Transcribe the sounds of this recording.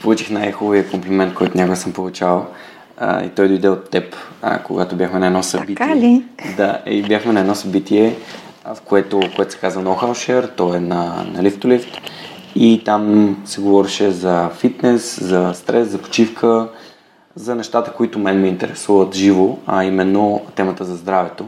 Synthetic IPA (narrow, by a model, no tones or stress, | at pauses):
polˠut͡ʃi̥xnajxoviəkomplimɛnt̪̚kɔjt̪ʊnʲakʊɡɛsəmpolˠut͡ʃal̰ˠ | ḭt̪ɔjd̪oid̪ɛot̪ːɛpkoɡat̪objaxmɛnɐɛd̪nɔsɐbilid̪aɛ̰ibjaxmɛnɐɛd̪nɔsɐbit̪iɛ | fkoɛt̪ʊkoɛt̪ʊ̥sɛ̥kazvənɐɔxawʃɛɾt̪ɔɛnɐnɐ̰lift̪olift̪ | it̪amsɛɡovɔɾiʃɛzɐfit̪nɛszɐst̪ɾɛszɐpo̥t͡ʃifkʰə | zɐnɛʃt̪at̪ə̥koit̪ʊmɛnmiːnt̪ɛɾɛsuvət̪ʒivoɐimɛnːot̪ɛmət̪əzɐzd̪ɾavɛt̪o